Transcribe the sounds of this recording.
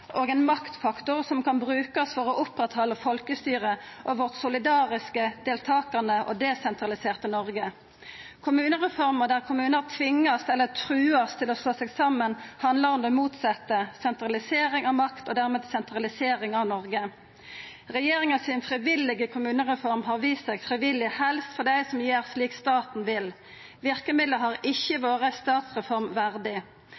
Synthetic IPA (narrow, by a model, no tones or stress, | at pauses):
ʔoːɡɛːnmɑkt̪fɑkt̪ʊʁsɔmkʰɑnbʁʉːkɑsfɔʁɔʔʊpʁɛt̪hɔlːəfɔlkəst̪yːʁə | ʔoʋɔʁt̪sʊlɪd̪ɑːʁɪskəd̪̥eːlt̪ʰɑːkɑnəʔo̰d̪ɛsɛnt̪ʁɑlɪseːʁt̪ənɔʁɡə | kʰʊmʉːnəʁɛfɔʁməd̪æʁkʰʊmʉːnəʁt̪ʰʋɪŋːɑst̪ɛlːət̪ʰʁʉːɑst̪ʰɪlɔsloːsɛɡsɑmːənhɑnd̪ləʁɔmd̪ɛmuːt̪sɑt̪ːəsɛnt̪ɾɑlɪseːʁɪŋɑʋmɑkt̪ɔd̪æʁmeːd̪sɛnt̪ʁɑlɪseːʁɪŋɑʋnɔʁɡə | ʁɛjeːʁɪŋəsɪnfʁɪʋɪlɪɡəkʰʊmʉːnəʁɛfɔʁmɦɑːʁʋiːst̪sɛɡfʁɪʋɪlɪhɛlst̪fɔʁd̪æɪsɔmjeːʁsliːkst̪ɑːt̪n̩ʋɪl | ʋɪʁkəmɪd̪ləɦɑːʁɪçːəʋoːʁəst̪ɑːt̪sʁɛfɔʁmʋæʁd̪ɪ